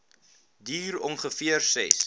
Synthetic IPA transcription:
diːɾɔnχəfiərsɛ̰s

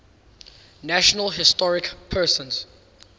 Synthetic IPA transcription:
næʃɔnəlɦɪstɔɹɪkpʰɜːsə̃nz̥

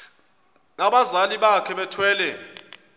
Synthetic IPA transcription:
naɓazaliɓakʰɛɓɛtʰwɛːlɛ

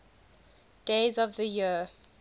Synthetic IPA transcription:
d̥eːzɔvðəji

